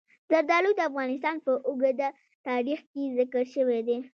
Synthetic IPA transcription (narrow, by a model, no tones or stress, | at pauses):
zaɾd̪ɑlud̪əafɣɑnɪs̬t̪ɑnpəʔʊɡad̪a | t̪ɑɾixkezɪkəɾʃəwed̪e